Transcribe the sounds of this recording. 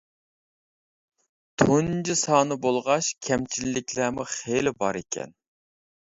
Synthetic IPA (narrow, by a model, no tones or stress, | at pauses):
t̪ʰond͡ʒisɑːnɨbolˠʁɑʃkʲʰɛmt͡ʃʰilːɪkʲʰlæːmuχelɪbɑɾekʲʰɛ̰n